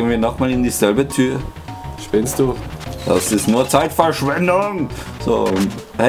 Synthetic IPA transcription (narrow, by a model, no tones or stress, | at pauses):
ənviːɐnɔχmaːlɪndiːzɛlbətʰyːɐʃpɪnstd̥uːda̰sɪstnuːɐt͡saɪtfɛɐʃv̥ɛndʊŋz̥o̰ː | h